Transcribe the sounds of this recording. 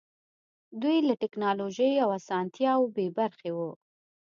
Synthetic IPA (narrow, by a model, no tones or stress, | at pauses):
d̪ujlaʈɪknɑloʒəjawasɑnt̪jɑwbebaɾxewu